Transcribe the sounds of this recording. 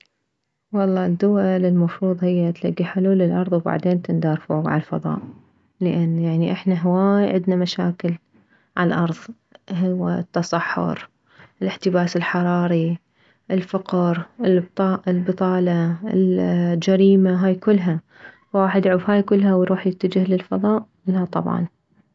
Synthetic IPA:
wɑlˤːɑːd̪ːʊwalɪlmɑfɾuːðˤhɪjːat̪laɡːiħʊluːlːɪlʔɑɾˤðˤwba̰ʕd̪eːnt̪ɪnd̪ɑːɾˤfuɡʕa̰lfɑ̰ðˤɑ̰ːʔ | lɪʔanːjaʕniʔɪħnaɦawaːjʕɪd̪namaʃaːkɪl | ʕa̰lʔɑɾˤðˤ | ɦʊwːat̪ːɑsˤɑħːʊ̰ɾ | ʔɪlɪħt̪ɪbaːsɪlħɑɾˤɑːɾi | ʔɪlfaqɾʔɪlbt̪ˤɑːʔɪlbɨt̪ˤɑːlɑɪld͡ʒaɾiːmaɦaːjkʊlːɦa | wwaːħɪd̪ʕuːfhaːjkʊlːɦawɾuːħjɪt̪ːad͡ʒɪhlɪlfɑðˤɑːʔʔɪlhat̪ˤɑ̰bʕɑ̰n

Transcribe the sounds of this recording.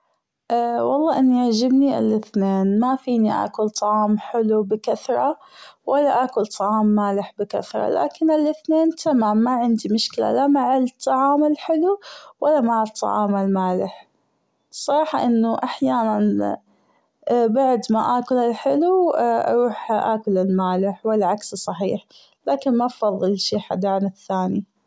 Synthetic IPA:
ʔawɑlˤːɑːʔɪnːiaʕd͡ʒɪbniʔɪ̰lʔɪθneːnmafiːniʔa̰ːkʊlt̪ˤɑʕɑːmħɪlubɪkaθɾˤɑ | walːaʔakʊlt̪ˤʰːɑʕɑːmːaːlɪħbɪka̰θɾˤɑ̰la̰ːkɪnɪlɪθneːnt̪ʰamaːmːaʕɪnd̪imʊʃkɪla̰lamaʕɪlt̪ˤːɑʕɑːmɪlħɪluwalːamaʕɪlt̪ˤːɑ̰ʕɑ̰ːmalmaːlɪħ | sˤːɑɾˤɑːħɑʔɪnːʊʔaħjaːnan | baʕd̪maʔaːkʊlɪlħɪluʔɑ̰ɾˤuːħʔaːkʊlɪlmaːlɪħwalːaʕakssˤɑħiːħ | laːkɪnmabfɑðˤːɨlʃiːħa̰d̪aːnɪθːaːni

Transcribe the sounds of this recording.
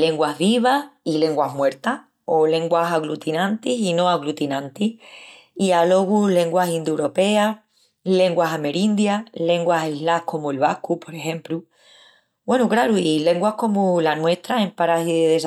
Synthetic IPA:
le̞ŋɡwaɦβiβ̞ahile̞ŋɡwaɦmwe̞ɾt̪a | o̞lẽ̞ŋɡwasaɣlut̪inãnt̪isinõ̞aɣlut̪inãnt̪ih | ialo̞ɣule̞ŋɡwasind̪uwɾo̞pe̞a | le̞ŋɡwasame̞ɾind̪jale̞ŋɡwaseɦlahko̞muelβahkupo̞ɾe̞xẽ̞mplu | bwe̞nukɾaɾuile̞ŋɡwahko̞mulanwe̞ht̪ɾae̞mpaɾasiðeðes

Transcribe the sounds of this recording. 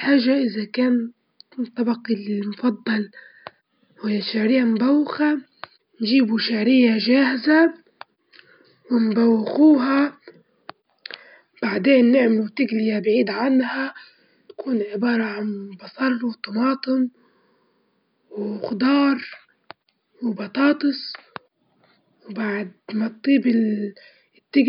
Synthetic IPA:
ħaːʒaʔɪzakaːn | t̪ˤːɑbɑqilmʊfɑd̪ˤːɑl | hɪjːaʃaʕɾɪjːamʊbawːɪxa | nʒiːbuʃaʕɾɪjːaʒaːhɪza | wɪnbawːɪxuːɦa | b̥aʕd̪eːnːɪʕmɪlut̪ɪɡlɪjabʕiːd̪ʕanːha | t̪ḁkuːnʕɪbɑːɾˤɑʕanbɑsˤɑɾˤːwt̪ɑmɑːt̪ˤɨm | wxʊd̪ɑːɾˤ | wbɑt̪ˤɑːt̪ˤɨsˤ | wbaʕd̪̚mat̪ˤːiːbɪ | t̪ːɪɡ

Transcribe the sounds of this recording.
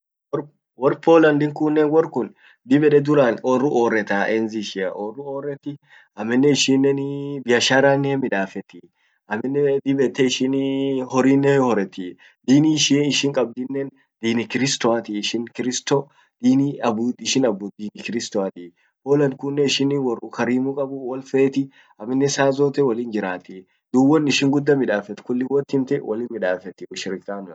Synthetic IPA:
wɔɾ | wɔɾpoːlɐnd̪ɪŋkʊnːɛnwɔrkʊn | d̪ɪbɛᶑɛd̪ʊɾaːnɔrːʊoːrːɛt̪aʔɛnziʃɪɐ̰ʔɔrːʊoːrːɛt̪ːɪ | ɐmːɛnːɛɪʃiːnːɛnbɪjɐʃaːɾanːɪɛmɪᶑaːfɛt̪ːi | ɐmːɛnːɛd̪ɪbɛt̪ːɛɪʃɪnhɔɾiːnːɛhɔɾɛt̪ːi | d̪iːniʃiɪʃɪŋkʼɐb̚d̪ɪnːɛn | d̪̥iːnɪkɪɾɪst̪ɔat̪ɪʃɪnkɪɾɪst̪ɔ | d̪̥iːniɐbutɪʃɪnɐbuːd̪iːnɪkɪɾɪst̪ɔat̪ɪ | hoːlɐŋkʊnːɛɪʃɪnːɪwɐɾʊkɐɾiːmukʼɐbʊwɐlfeːt̪ɪ | ɐmːɪnːɛsaːzoːt̪ɛwɐliːnd͡ʒɪɾaːt̪ɪ | d̪uːwːɔnːɪʃɪŋɡʊd̪ːɐmɪᶑaːfɛt̪kʊlːɪwɔt̪ːɪmt̪ɪwʔɐlɪːnmɪᶑaːfɛt̪ːɪʊʃɪɾɪkʼːaːnʊɐ

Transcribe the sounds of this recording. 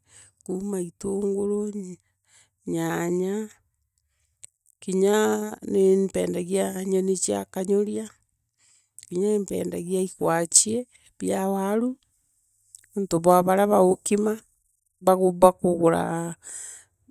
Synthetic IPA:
kuːmaitoŋɡoɾo | ɲaɲa | kiɲanempɛːndaɣiaɲonet͡ʃia̰kaɲoɾja | kiɲaempɛ̰ːnda̰ɣiaikwat͡ʃie | βjawaɾu | ntoβwaβaɾaβaokima | βaɣobakoɣoɾa̰

